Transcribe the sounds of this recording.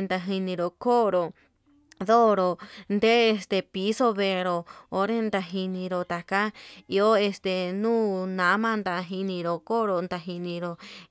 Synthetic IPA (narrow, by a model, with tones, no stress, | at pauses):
nd̪a˧ɦi˧nĩ˧ɾo˨ko˦ɾo˨ | ðo˦ɾo˧˨nd̪e˦e˧st̪e˧pi˧˦so˦βe˧ɾo˧o˧˦ɾe˦nd̪a˧ɦi˧nĩ˧ɾo˧t̪a˨ka˦i˧o˦e˧st̪e˨nũː˦˨nã˨˦mã˦˧nd̪a˨ɦi˧nĩ˧ɾo˧˨ko˦ɾo˧˨nd̪a˧ɦi˧nĩ˧ɾo˨